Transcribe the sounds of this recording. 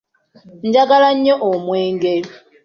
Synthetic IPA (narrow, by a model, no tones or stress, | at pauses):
n̩d͡ʒakalaɲ̩ɲɔʔɔmwɛːŋɡɛ